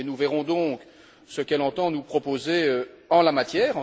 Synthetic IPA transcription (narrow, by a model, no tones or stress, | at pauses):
enuvɛʁɔ̃d̪ɔ̃ːk | səkɛlɑ̃t̪ɑ̃nupχɔpozeø | ɑ̃lamat̪jɛːʁɑ̃